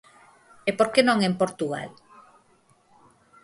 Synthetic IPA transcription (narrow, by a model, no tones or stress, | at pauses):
epoɾkenõŋempoɾt̪uɣa̰l